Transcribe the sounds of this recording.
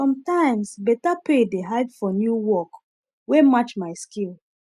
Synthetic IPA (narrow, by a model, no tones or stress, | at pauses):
sɔ̃mtãɪmsbɛtapedeɦaɪdfɔnjuwɔk | wemat͡ʃmaɪskil